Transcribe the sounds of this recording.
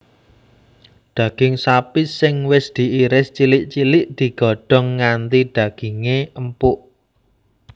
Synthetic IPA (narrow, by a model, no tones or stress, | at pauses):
d̪̥ä̤ɡ̥ɪŋsapisɪŋwɪsd̪̥i̤ʔiɾɪst͡ʃilɪʔt͡ʃilɪʔd̪̥i̤ɡ̥ɔ̤ɖ̥ɔ̤ŋːant̪iɖ̪̥ä̤ɡ̥i̤ŋeəmpʊʔ